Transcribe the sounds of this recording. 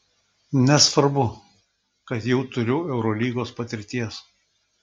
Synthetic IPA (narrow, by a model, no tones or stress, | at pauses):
nʲɛsʋɐɾbʊ | kɐt̪jɛʊt̪ʊɾʲʊɛʊɾolʲiːɡoːspɐt̪ʲɪɾʲt̪ʲiɛs